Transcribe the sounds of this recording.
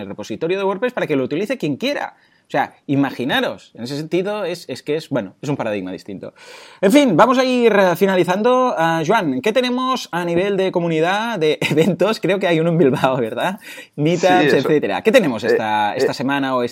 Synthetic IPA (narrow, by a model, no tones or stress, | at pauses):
elrepo̞sit̪oɾjoð̞ewoɾpɾespaɾakelout̪iliθe̞kje̞ŋkjeɾa̰ | osea̰imaxinaɾosenesesent̪iðoeseskeezbwenoesumpaɾað̞iɣma̰ðḭst̪int̪o̰eɱfinbamozaiɾfinaliθand̪oaʒwaŋket̪enemozaniβ̞eld̪ekomuniðaðeʔːβent̪oskɾeokeajunoembilβaoβeɾða | mit̪aset̪θet̪eɾa̰ke̞t̪enemosest̪aest̪asemanaoes